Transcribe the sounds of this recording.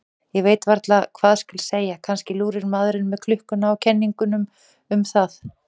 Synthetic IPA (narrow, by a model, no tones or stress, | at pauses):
jɛɣveːjt̪vaɾt̪lakʰv̥aːðscʏlseːjakʰanscɪluːɾɪɾmaðɾɪnmɛðkʰlʏhkʏnaɔwcʰɛnːiŋkʏnʏm | ʏmθað